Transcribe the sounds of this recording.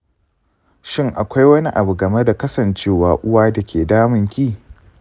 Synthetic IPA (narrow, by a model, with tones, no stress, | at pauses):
ʃɪ˦ŋʔa˨kʷa˦jwɐ˦ni˦ʔa˨bu˨ɡɐ˨me˦da˨kɐ˦sɐ˨nt͡ʃeː˦waː˨ʔʊ˦waː˦da˨kʲeː˨daː˦mɪ˦˨ŋkʲiː˦˨